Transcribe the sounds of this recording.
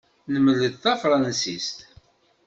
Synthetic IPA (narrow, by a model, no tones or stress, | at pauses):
nəmələðθɑfɾˤɑnsist̪